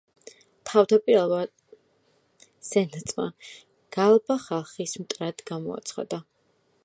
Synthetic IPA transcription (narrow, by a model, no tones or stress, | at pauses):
t̪ʰavd̪apʼiɾɛlˠva | sɛnat̪sʼma̰ | ɡ̥alˠbaχalˠχismt̪ʼɾad̪ɡamɔ̰a̰t̪sʰχa̰d̪a